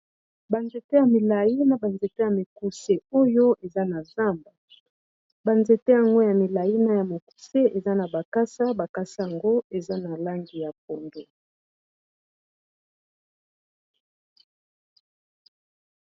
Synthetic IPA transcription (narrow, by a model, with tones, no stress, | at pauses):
ba˨nze˨te˦ja˨mi˨la˨ji˦na˦ba˨nze˨te˦ja˨mi˨ku˦se˦o˦jo˦ʔe˨za˦na˨za˦mba˨ | ba˨nze˨te˦ja˨ŋɡo˦ja˨mi˨la˨ji˦na˦ja˨mo˨ku̥˨se˦e˨za˦na˨ba˨ka˦sa˦ba˨ka˦sa˦a˨ŋɡo˦e˨za˦na˨la˦ŋɡi˨ja˨p̚o˨ndo˦